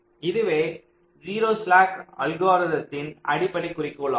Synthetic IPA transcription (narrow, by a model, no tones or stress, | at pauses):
ɪðɯʋeː | d͡ʒiːɾoːsɭaːkɐlɡoːɾɐðɐsɪnʔɐɽɪpːɐɽɐɪkːʊrɪkːoːɭɐ